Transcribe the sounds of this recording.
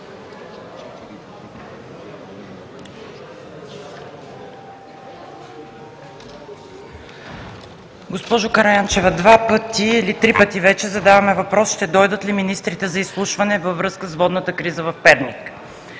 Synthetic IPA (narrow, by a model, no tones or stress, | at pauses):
ɡospɔʒokɐɾɐjant͡ʃɛvɐd̪vapɤt̪iːlit̪ɾipət̪ivɛt͡ʃɛzɐd̪avɐmɛvɐpɾɔsʃt̪ɛd̪ɔjd̪ət̪liminist̪ɾit̪ɛzɐislˠuʃvɐnɛvəvɾɤskəsvɔd̪nət̪əkɾizəvɐfpɛɾnik